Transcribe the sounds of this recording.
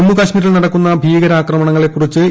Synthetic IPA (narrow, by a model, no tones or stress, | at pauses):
mːukaːɕmiːɾɐɭnɐɽɐkːunːɐbʱiːɡɐɾaːkrɐmɐɳɐŋːɐɭe̞kːurit͡ɕːɨ